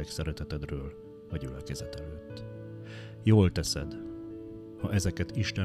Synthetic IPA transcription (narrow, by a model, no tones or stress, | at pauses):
ɛksɛɾɛt̪ɛt̪ɛd̪røːl | ɒɟylɛkɛzɛt̪ɛløːt̪ː | joːlt̪ɛsɛd̪ | hɒʔɛzɛkɛt̪iʃt̪ɛ